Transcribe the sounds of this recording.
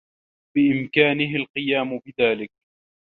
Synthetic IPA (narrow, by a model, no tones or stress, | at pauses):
bɪʔɪmkaːnɪɦɪlqɨjaːmʊbɪðaːlɪk̚